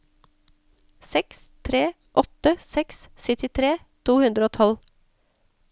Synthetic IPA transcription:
sɛkst̪ʰɾeː | ʔɔt̪əsɛkssʏt̪ɪt̪ʰɾeː | t̪ʰuːhʉnd̪ɾəoːt̪ʰɔl

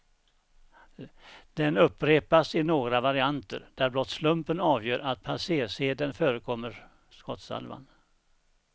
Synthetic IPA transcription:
d̪̥ɛnɵpːɾeːpasɪnoːɡɾavaɾɪant̪ə̰ɾd̪̥æɾblɔt̪slɵmpənɑːvjøːɾʔat̪̚pʰaseːʂeːd̪ənføːɾəkʰɔmːəɾ | skɔt̪sa̰lva̰n

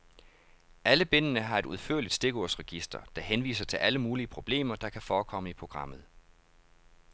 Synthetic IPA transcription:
ʔæləb̥e̝n̰ənəɦɑ̈e̝d̥uðˠføɐ̰lid̥sd̥e̝ɡ̥oɐsʁɛɡ̥isd̥ɐ̰d̥ɑ̈henʋḭːsɐt͡sʰe̝lʔæləmuːliəpʰʁo̝b̥le̝̰ːmɐd̥ɑ̈kʰæfɒːkʰɒ̽m̰əipʰʁo̝ɡ̥ʁɑ̈m̰ð̞̩ˠ

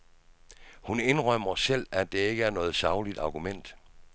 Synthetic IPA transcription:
hune̝nʁɶm̰ɐsel̰æd̥e̝e̝ɡ̥əæɐnɔ̽ːð̩ˠsɑ̈ʊlid̥ɑ̈ɡ̥umen̰d̥

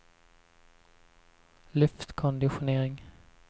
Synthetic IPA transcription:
lɵft̪kʰɔnd̪ɪɧʊneːɾɪŋ

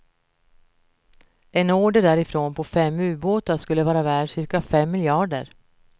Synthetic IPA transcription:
ʔɛnoːɖəɖæːɾɪfɾoːnpʰɔfɛmːʉ̟ːboːt̪aʂkɵlːəvɑːɾavæːɖʂɪɾkafɛmːɪljɑːɖə̰ɾ

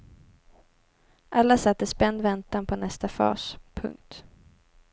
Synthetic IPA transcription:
ʔalːasat̪ːəspɛnd̪vɛnt̪anpʰɔnɛst̪afɑ̰ːspʰɵ̰ŋk̚t̪

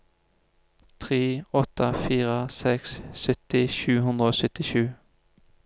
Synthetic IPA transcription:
t̪ʰʁeːɔt̪əfiːʁəsɛkssœt̪ɪʃʉːɦʉnd̪ʁəoːsœt̪ɪʃʉː

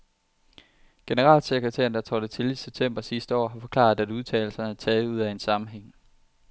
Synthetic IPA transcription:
ɡ̥e̝nəʁɑ̰̈ːlseɡ̥ʁət͡sʰḛɐnd̥ɑ̈t͡sʰɒːd̥ət͡sʰe̝liseb̥̚t͡sʰem̰b̥ɐsisd̥əɒ̰ːɦɑ̈fɒ̽kʰlɑ̰̈ð̩ˠæd̥uð̞ˠt͡sʰɛ̰ːɪl̩sɐnəæt͡sʰɛːð̞̩ˠuð̞̰ˠæe̝nsɑ̈mm̩ɦeŋ̰

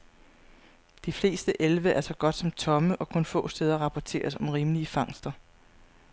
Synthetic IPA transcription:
d̥ifle̝̰ːsd̥əʔelʋəʔæɐsɒ̽ɡ̥ɒ̽d̥sɒ̽mt͡sʰɒ̽məʔɒ̽kʰo̽nfɔ̰̽ːsd̥eːð̞ˠɐʁɑ̈pʰɒt͡sʰe̝̰ːɐsɒ̽mʁiːməliəfɑ̈ŋ̰sd̥ɐ

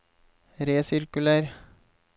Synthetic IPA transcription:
ɾeːsɪɾkʉlæɾ

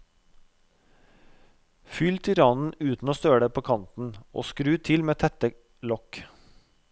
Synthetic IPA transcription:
fʏlt̪ʰʏɾɑːnn̩ʉːt̪n̩oːst̪øːɽəpʰoːkʰɑnt̪n̩ʔo̰ːskɾʉːt̪ʰɪlmeːt̪ʰɛt̪ə | lɔk

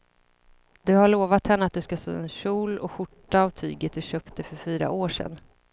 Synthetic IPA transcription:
d̪ɵhaɭoːvat̪hɛnːəat̪̚d̪ɵskasø̰ːɛnɕuːlɔɧʊʈːaːvt̪ʰyːɡət̪̚d̪ɵɕøːpt̪̚d̪ɛfœɾfyːɾa̰ʔoːʂɛ̰n

